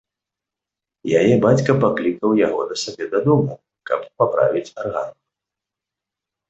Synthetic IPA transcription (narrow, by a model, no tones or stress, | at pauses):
ja̰jɛbat͡sʲkɐpaklʲikɐwjaɣɔ̰d̪ɐsabʲɛd̪ad̪umu | kɐ̰ppapɾa̰vʲit͡sʲarɣa̰n